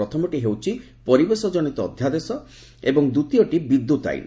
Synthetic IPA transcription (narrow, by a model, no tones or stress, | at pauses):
ɔt̪ʰɔmɔʈiɦewt͡ʃʰi | pɔɾibesɔd͡ʒɔnit̪ɔːd̪ʱjad̪esɔ | ebɔŋd̪ut̪ijɔʈibid̪ːut̪a̰ḭn